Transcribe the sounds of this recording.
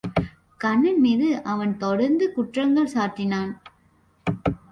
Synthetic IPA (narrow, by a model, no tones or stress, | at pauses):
kɐɳːɪnmiːðɯʔɐʋɐnt̪ɔɽɐɾnd̪ɯkʊʈrɐŋɡɐɭsaːɾʈːɪnaːn